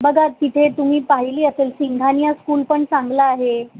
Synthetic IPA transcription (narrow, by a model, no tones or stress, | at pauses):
bəɡʱat̪it̪ʰet̪um̤iːpaɦiliːəselsiŋɡʱanjaskuːlpəɳsãŋɡlaːɦe